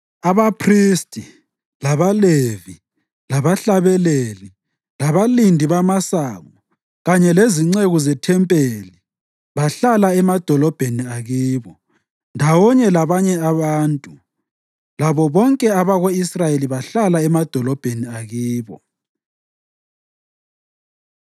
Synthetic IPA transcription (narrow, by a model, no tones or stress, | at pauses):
aβapʰristʼi | laβalevi | laβaɬaβɛleli | laβalindʱiβamasaɣɔ | ɣaɲɛleziŋ͡ǀeɣuzɛtʰɛmpʼeli | βaɬalaɛmad̥ʱɔlɔb̥ʱeniaɣiːβɔ | ndʱawɔɲɛlaβaɲɛaβaːntʼu | laβɔβɔŋkʼɛaβaɣoisrajeliβaɬalaɛmad̥ʱɔlɔb̥ʱeniaɣiːβɔ